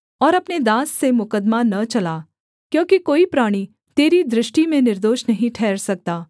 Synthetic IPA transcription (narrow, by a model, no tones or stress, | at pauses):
ɔːɾɐpned̪aːsːemʊkəd̪manɐt͡ʃɐlaː | kjõːkikoːipɾaːɽ̃i | t̪eːɾid̪ɾɪʃʈimẽnɪɾd̪oːʃnɐɦĩʈʰɛːɾsɐk̚t̪aː